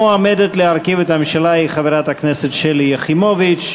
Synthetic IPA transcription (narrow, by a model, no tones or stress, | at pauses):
amedet̪leaɾkivet̪hamemʃalaiχaveɾat̪hakneset̪ʃelijeχimovit͡ʃ